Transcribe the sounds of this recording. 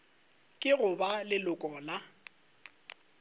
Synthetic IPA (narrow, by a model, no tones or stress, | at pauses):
kʼɪɣʊbalɪlʊkʼɔːla